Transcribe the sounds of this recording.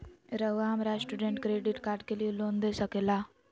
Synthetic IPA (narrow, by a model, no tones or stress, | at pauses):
ɾəʋamɾasʈuɖeɳʈkɾeɖiʈkaɾʈkelilond̪esəkela